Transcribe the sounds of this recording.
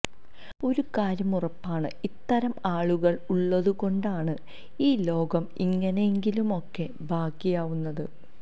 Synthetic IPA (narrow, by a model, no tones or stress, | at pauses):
o̞ɾukaːɾjɐmurɐpːaːɳɨ̰it̪ːɐɾɐmaːɭuɣɐɭuɭːɐðuɣo̞ɳɖaːɳɨ | iːlo̞ːɡɐmḭŋːɐneeŋɡilumo̞kːe̞ | bʱaːkːijaːʋunːɐðɨ